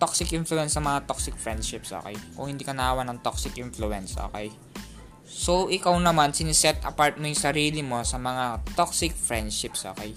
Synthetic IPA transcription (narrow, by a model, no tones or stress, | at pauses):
t̪oksɪkʔɪnfluɛnsɐŋmɐŋat̪oksɪk̚fɹɛnd̪ʃɪpsʔo̰ːkɛjkʊ̰ŋhɪnd̪iːkɐnɐʔaːwɐnɐŋt̪oksɪkʔɪnfluʔɛnsʔo̰ːkɛj | so̞ʔɪkawnɐmansɪnɪsɛt̪̚ʔɐ̰paɹt̪̚mojʊŋsɐɾiːlɪmo̞sɐmɐŋat̪oksɪk̚fɹɛnd̪ʃɪpsʔoːkɛj